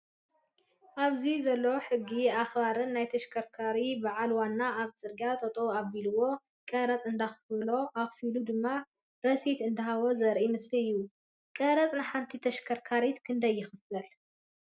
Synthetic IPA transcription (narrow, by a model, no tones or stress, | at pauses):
ʔaβzizɐlːoħɨɡːiaxbaɾɨnːajt̪ʰɐʃkʰɐɾkʰaɾibaʕalwanːaaβt͡sʼɨɾɡat̪ʰʼɐt̪ʼoaβilɨwo̞ | kʼɐɾɐt͡sʼɨnd̪axɨfɨlo̞ʔaxfilud̪ɨmːa | ɾɐsit̪ɨnd̪ɐɦaβozɐɾʔimɨsliɨjːu | kʼɐɾɐt͡sʼnɨħant̪ʰit̪ʰɐʃkʰɐɾkʰaɾit̪kʰɨnd̪ɐjːɪxɨfɐl